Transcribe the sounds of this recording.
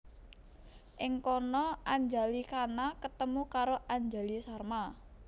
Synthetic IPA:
ʔɪŋkɔnɔʔaɲd͡ʒa̤likanakət̪əmukaɾoʔaɲd͡ʒalisarma

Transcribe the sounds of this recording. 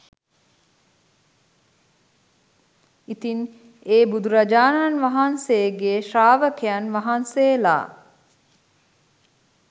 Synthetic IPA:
it̪in | eːbud̪uɾad͡ʒaːnaːnʋaɦansejɡeːʃaːʋəkʰeanʋaɦansela̰ː

